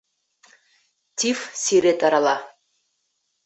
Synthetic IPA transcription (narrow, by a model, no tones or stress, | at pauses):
tʰifsiɾet̪ʼaɾalˠɑ